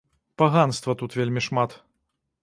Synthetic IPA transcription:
paɣanst̪vɐt̪ut̪vʲelʲmʲiʂmat̪

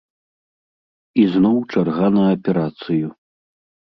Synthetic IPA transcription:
iznɔwt͡ʂarɣanɐːpʲɛɾat̪sɨju

